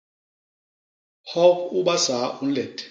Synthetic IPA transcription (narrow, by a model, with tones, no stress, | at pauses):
hɔ˦ku˦ɓa˦sa˨˦u˦n̩˦lɛ˨tʰʼ